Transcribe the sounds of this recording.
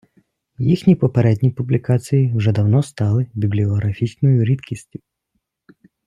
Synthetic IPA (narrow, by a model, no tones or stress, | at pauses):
jixnʲipɔpɛɾɛd̪ʲnʲipublʲikasʲijiwʐɛd̪ɐwnɔst̪ɑlˠɪbʲiblʲiɔɦɾafʲit͡ʃnɔjʊɾʲit̪kʲisʲtʲʊ